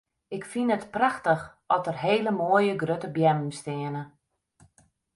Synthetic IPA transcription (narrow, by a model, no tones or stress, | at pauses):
ɪkfinətpraxtəx | ɔtərɦeːləmoːəjəɡrøtəbjɛmm̩stɪənə